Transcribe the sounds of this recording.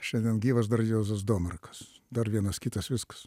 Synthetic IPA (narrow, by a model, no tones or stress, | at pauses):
ʃʲɛnʲd̪ʲiɛnɡʲiːʋɐsd̪ɐɾjuːzɐsd̪oːmʲɛrkɐ̥sd̪ɐrʋʲiɛnɐskʲit̪ɐsʋʲɪskɐ̥s